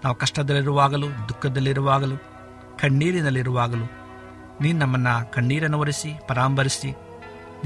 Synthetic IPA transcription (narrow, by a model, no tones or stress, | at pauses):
naːʋukɐʂʈɐd̪ɐlːiɾuʋaːɡɐlud̪ukːɐd̪ɐlːiɾuʋaːɡɐlu | kɐɳːiːɾinɐlːiɾuʋaːɡɐlu | niːnunɐmːɐnːɐkɐɳːiːɾɐnuʋɐɾisipɐɾaːmbʱɐɾisi